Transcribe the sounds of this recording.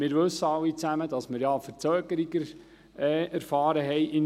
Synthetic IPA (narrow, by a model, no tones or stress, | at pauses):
mɪːɾʋɵsːəɑwit͡sæmədɑsmɪɾjɑfəɾt͡søːɡəɾiɡə | ɛːæɾfɑːɾəɦɛjʔɪn